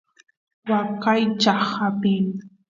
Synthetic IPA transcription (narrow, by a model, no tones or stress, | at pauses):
wakajt͡ʃaχapɪŋ